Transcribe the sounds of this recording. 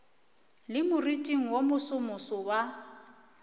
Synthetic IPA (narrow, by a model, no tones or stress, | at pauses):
lɪmʊritʼiŋ̩womʊsʊmʊsɔwa